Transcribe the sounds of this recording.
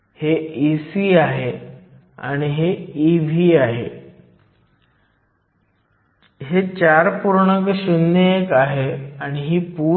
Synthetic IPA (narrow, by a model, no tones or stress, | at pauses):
heisiːaɦe | a̰ɽ̃iɦeiʋʱiːaɦe | ɦet͡ɕaɾpuɾɳəkɕunːəekaɦeaɽ̃iɦiːpu